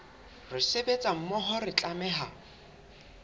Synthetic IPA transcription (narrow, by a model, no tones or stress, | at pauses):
rɪsebet͡sʼam̩mɔɦɔrɪt͡ɬʼamɛːɦa